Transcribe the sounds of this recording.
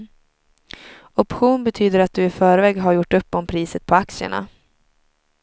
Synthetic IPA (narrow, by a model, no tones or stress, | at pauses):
ɔpɧuːnbɛt̪ʰyːd̪əɾat̪̚d̪ɵɪfœːɾvɛːɡɦaɾjʊʈːɵpːɔmpʰɾiːsət̪̚pʰɔaksɪə̰ɳa̰